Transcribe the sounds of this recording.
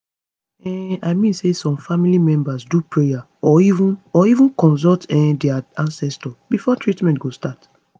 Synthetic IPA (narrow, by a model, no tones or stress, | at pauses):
ɛ̃aɪmĩnsesɔ̃mfamilimɛ̃mbasdupʰɹeja | ɔivũnɔivũnkɔ̃ns̬ɔltɛ̃dɛaãnsɛstɔb̥ifɔtʰɹitmɛ̃ntɡostat